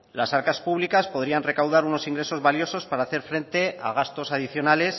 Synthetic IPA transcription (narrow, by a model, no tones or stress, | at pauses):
lasaɾkaspuβ̞likaspo̞ðɾianre̞kawð̞aɾuno̞siŋɡɾe̞so̞zβaljo̞so̞spaɾaːθe̞ɾfɾe̞nt̪e̞a̰ɣ̞ast̪o̞saðiθjo̞nale̞s